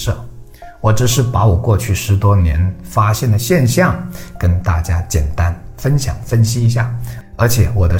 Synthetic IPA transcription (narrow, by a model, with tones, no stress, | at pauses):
ʂɤ̰˥˩ | wɔ˧˥˩ʈ͡ʂɻ̩˨˩ʂɻ̩˥˩pa˧˥wɔ˨˩kwɔ˥˧t͡ɕʰy˥˩ʂɻ̩˧˥t̪wɔ˥njɛ̰˧˥nfa˥ɕjɛ˥˩nd̪ə˩ɕjɛ˥˧nɕjɑ˥˩ŋkə˥nt̪a˥˩t͡ɕja˥t͡ɕjɛ˨˩nt̪a˥nfə˥nɕjɑ̰˨˩ŋfə˥nɕi˥i˧˥ɕ̬ja˥˩ə˞˧˥t͡ɕʰjɛ˨˩˦wɔ˨˩d̪ə˦